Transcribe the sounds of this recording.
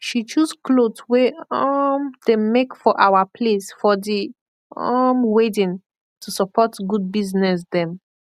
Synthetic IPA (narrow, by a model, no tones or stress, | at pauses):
ʃit͡ʃusklodsweɔmd̥emekfɔʔawapʰlesfɔdi | ɔmwedĩn | tʰusəpɔtɡud̚biznɛsdɛ̃m